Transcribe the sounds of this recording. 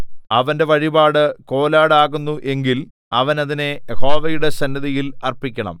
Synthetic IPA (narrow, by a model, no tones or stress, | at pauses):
ɐʋɐnde̞ʋɐɻibaːɽɨko̞ːlaːɽaːɣunːuʔe̞ŋɡil | ɐʋɐnɐðine̞jeho̞ːʋɐjuɽe̞sɐnːɐðijilɐrpikʲːɐɳɐ̰m